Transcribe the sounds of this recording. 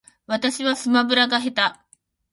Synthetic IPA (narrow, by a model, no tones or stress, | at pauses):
ʋɐt̪ɐɕiʋɐsɯmɐbɯɾaɡaɦet̪a